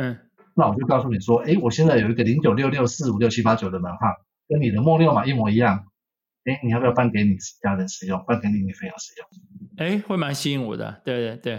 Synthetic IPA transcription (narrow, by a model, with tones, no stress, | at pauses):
na˥˩wɔ˨˩t͡ɕjo˥˧kɑ˥˧ʊs̬u˥˩ni˨˩ʂwɔ˦ʔe˥ɪwɔ˨˩ɕjɛ˥˧nt͡sa˥˩ɪjo˨˩ʊi˧˦ɡə˨li˧˥ŋt͡ɕjo˨˩ʊljo˥˧ʊljo˥˧ʊsɹ̩˥˨u˨˩ljʊt͡ɕʰi˦˥pa˥t͡ɕjo˨˩ʊd̪ə˦mə˧˦nxʰwa˥˩ | kə˦nni˨˩d̪ə˦mwɔ˥˧ljo˥˨ʊma˨˩i˥˩mwɔ˧˥i˧˥jɑ˥˩ŋ | e˥ɪni˨˩a˧˩˧jpa˥˩nke˧˥ɪni˨˩ʂt͡ɕja˥ɻə˧˦nʂɻ̩˨˩jʊ˥˩ŋpa˥˩nke˧˥ni˨˥ni˨˩fe˥ɪjɑ˧˥˦ʂɻ̩˨˩˦jʊ˥˩ŋe˥˦ɪxwe˥˩ɪma˧˦nɕi˥˦˥ŋwɔ̰˨˩d̪ə̰˦t̪we˥˧ɪt̪we˥˩t̪we˥˩ɪ